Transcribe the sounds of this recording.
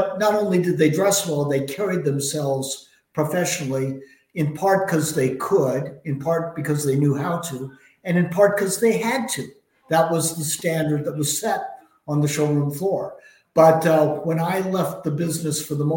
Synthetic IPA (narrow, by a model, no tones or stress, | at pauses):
nəɾõʊ̃nlidɨd̪̚ðeɪdɹɛsəɾɔlˠðeɪkʰɛɹid̪̚ðɨ̃msɛlˠvz̥ | pʰɹ̥əfɛʃnl̩ˠi | ɨ̃npʰɑɹt̚kʰʌzðeɪkʰəɾɨ̃npʰɑɹt̚b̥ɨkʰʌzðeɪnjʉɦaʊɾu | ɨ̃nɨ̃npʰɑɹt̚kʰʌzðeɪɨd̚tʰʉ | ðət̚wʌzðɨstæ̃ndə˞d̪̚ðət̚wʌz̥sɛɾ | n̩ðɨʃoʊɹũmflɔɹ | b̥ʌtwə̃naɪlɛft̪̚ðəbɪznɨsfə˞ðəmo